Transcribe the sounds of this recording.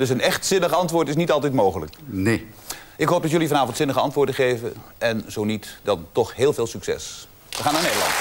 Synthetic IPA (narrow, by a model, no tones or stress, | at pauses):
d̥ɵsənɛχtsɪnəχɑntʋʊːɹtɪs̬nitɑlˠtɛtmowχələ̰kne | ʔɪkɦowp̚dɑtjɵlivɑnaːvɔntsɪnəχəɑ̰ntʋʊːɹdəχejvə̰ | ɛnzownitdɑntɔχɦeːlˠveːlˠsyksɛ̰s | ʋəχaːnaɹnejdəlɑ̰n